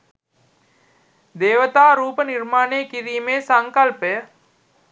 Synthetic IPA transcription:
d̪eːʋət̪aːɾuːpəniɾmaːneːkiɾiːmeːsaŋkalpəjə

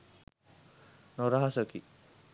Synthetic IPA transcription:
noɾaɦasəki

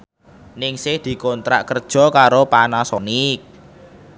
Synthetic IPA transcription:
nɪŋsɪhd̪̥i̤kɔnt̪ɾa̰ʔkərd̥ʒ̥ɔ̤kaɾopanasɔnɪk̚

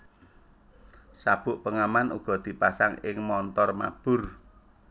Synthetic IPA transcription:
sab̥ʊʔpəŋamanṵɡ̥ɔ̤d̪̥i̤pasaŋɪŋmɔnt̪ɔrma̰b̥ʊr

